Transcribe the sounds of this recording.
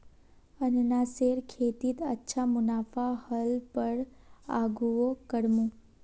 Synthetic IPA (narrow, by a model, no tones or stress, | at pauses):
ənenaseɾkʰet̪it̪ətːʃʰamʊnafahəlpəɽ | a̰ɡuokəɽmũ